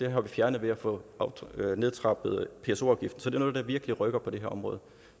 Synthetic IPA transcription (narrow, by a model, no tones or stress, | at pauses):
d̥e̝ɦɑ̈ʋifjæɐnðʋe̝æfɔ̽ɑʊne̝ð̞ˠt͡sʰʁɑ̈b̥ð̩ˠpʰe̝eso̝ɑ̈ʊɡ̥ifd̥n̩sɒd̥e̝nɔ̽ð̩ˠd̥ɑ̈ʋiɐɡ̥əliʁœɡ̥ɐpʰɒ̽d̥e̝ɦeɐɒ̽mʁɔ̽ːð̩ˠ